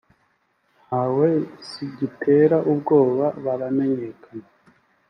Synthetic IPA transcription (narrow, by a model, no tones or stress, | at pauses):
n̥hawe̞siɟitʰe̞ɾaʔubɡo̞ːβaβaɾame̞ɲe̞kana